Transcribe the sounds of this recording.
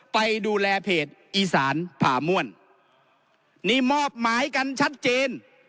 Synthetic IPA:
pa˧jduː˧lɛː˧pʰeː˨˩t̪̚ʔiː˧saː˩˦npʰaː˩˦mu˥˩ən | niː˥˩mɔː˥˩p̚maː˨˦jka˧nt͡ɕʰa˦˥t̪̚t͡ɕeː˧n

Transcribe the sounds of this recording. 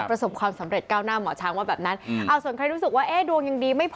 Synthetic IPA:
pɾa˧so˨˩p̚kʰwaː˧msa˩˦mɾe˨˩t̪̚kaː˥˩wnaː˥˩mɔː˩˦t͡ɕʰaː˧ŋwaː˥˩bɛː˨˩p̚na˦˥nʔa˧wsu˩˦nkʰɾa˧jɾuː˦˥ɯ˨˩k̚waː˥˩ʔeː˧˥˩du˧əŋja˨˧ŋdiː˧ma˥˩jpʰ

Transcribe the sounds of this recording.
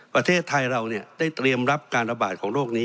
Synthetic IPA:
pɾa˧t̪ʰeː˥˩t̪ʰːa˧jɾa˧wni˥˩ɐda˥˩jt̪ɾi˧əmɾa˦˥p̚kaː˧nɾa˧baː˨˩t̪̚kʰɔː˩˦ŋɾoː˥˩k̚niː˦˥

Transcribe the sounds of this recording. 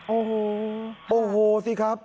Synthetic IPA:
ʔoː˧˩ɦo˨˧˦ʔoː˨˩ɦoː˨˧˦siː˧kʰɾa˦˥p̚

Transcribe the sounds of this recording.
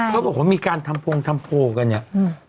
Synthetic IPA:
pʰːwaː˧˩pʰo˨˩˦miː˧kaː˧nt̪ʰa˧mpʰo˧ŋt̪ʰa˧mpʰoː˧˩ka˧nɲa˧˩˨

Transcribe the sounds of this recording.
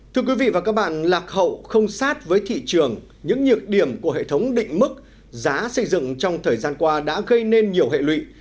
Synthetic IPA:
t̪ʰɨ˧əkwi˨˦vḭ˧˨vaː˨˩kaː˦˥k̚ɓa̰ː˧˨nlaː˨˩k̚hə̰˧˨wxə˧wŋ͡msaː˦˥t̚vəː˨˦jt̪ʰḭ˧˨t͡ɕɨ˨˩əŋ | ɲɨ̰˧˥ŋɲɨ˨˩ək̚ɗi˨˩əmku˧˩əɦḛ˧˨t̪ʰə˨˦wŋ͡mɗḭ̈˧˨ŋ̟mɨ˦˥k̚ | zaː˨˦sə˧jzɨ̰˧˨ŋt͡ɕɔ˧wŋ͡mt̪ʰəː˨˩jzaː˧nkwaː˧ɗa̰ː˧˥ɣə˧jne˧nɲi˨˩əwɦḛ˧˨lwḭ˧˨

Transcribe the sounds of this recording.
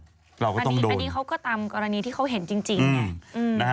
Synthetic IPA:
ɾa˧wkɔː˥˩˧t̪n˥˩˦doː˧nːiː˦˧kʰa˦˥wkɔː˥˩t̪a˧mkɔː˧ɾa˧niː˧t̪ʰiː˥˩a˦˥wɦe˨˩˦nt͡ɕi˧ŋt͡ɕi˧ɯnː˧a˦˩ʔɯ˧na˦˥˦

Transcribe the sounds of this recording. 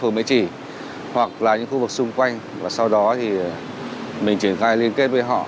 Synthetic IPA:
u˨˩mḭ˧˥t͡ɕi˧˩ | hwa˨˩k̚laː˨˩ɲɨ̰˧˥ŋxu˧vɨ˨˩k̚sʊ˧ŋ͡mkwa˧jŋ̟ | vaː˨˩sa˧wɗɔ˨˦t̪ʰi˨˩ | mï˨˩ŋ̟t͡ɕi˧˩ənxaː˧jli˧ənke˦˥t̚və˨˦jɦɔ̰˧˨

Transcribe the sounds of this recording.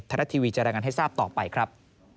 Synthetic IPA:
t̪ʰːaː˧ɾa˦˥t̪ʰiː˧wiː˧t͡ɕa˨ʔɾaː˧jŋa˧nɦa˥˩jsaː˥˩p̚t̪ɔː˨˩pa˧jkʰɾa˦˥p̚

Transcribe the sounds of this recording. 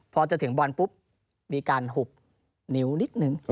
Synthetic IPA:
pʰɔː˧t͡ɕa˧˩t̪ʰŋbaː˧npu˦˥p̚ | ɗiː˧kaː˧nɦu˨˩p̚ | ni˧˦wni˦˥k̪̚nɯ˨˩ŋ

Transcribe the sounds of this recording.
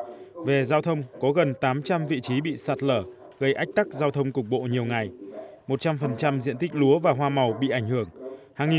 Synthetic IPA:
ve˨˩zaː˧wt̪ʰə˧wŋ͡mkɔ˨˦ɣə˨˩nt̪aː˨˦mt͡ɕa˧mvḭ˧˨t͡ɕi˨˦ɓḭ˧˨saː˨˩t̚ləː˧˩ | ɣə˧jʔa˦˥k̟̚t̪a˦˥k̚zaː˧wt̪ʰə˧wŋ͡mkʊ˨˩k͡p̚ɓo̰˧˨ɲi˨˩əwŋa˨˩jmo˨˩t̚t͡ɕa˧mfə˨˩nt͡ɕa˧mzḭ˧˨ənt̪ï˦˥k̟̚lu˨˦əvaː˨˩ɦwaː˧ma˨˩wɓḭ˧˨ʔa˧˩jŋ̟hɨ˧˩əŋhaː˧ŋi˨

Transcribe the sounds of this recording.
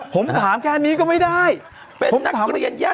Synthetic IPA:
ho˨˦ŋ͡mt̪ʰaː˨˩˦mkʰa˧a˧ni˨˦kɔ˨˦mə˨˦jɗaː˧j | ho˨˦t̪ʰaː˨˦˧aː˦

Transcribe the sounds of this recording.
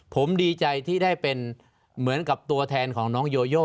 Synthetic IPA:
pʰo˩˦mdiː˧t͡ɕa˧jt̪ʰiː˥˩daː˥˩jpe˧n | mɯ˩˦ənka˨˩p̚t̪u˧ɐt̪ʰɛː˧nkʰɔː˩˦ŋnɔː˦˥ŋjoː˧joː˥˩

